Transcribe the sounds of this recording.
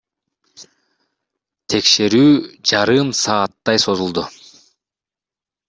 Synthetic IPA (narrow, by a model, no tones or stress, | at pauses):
t̪ʰe̞kʃe̞ɾyːd͡ʒɑɾɯmsɑːt̪ːɑjso̞zulˠd̪ʊ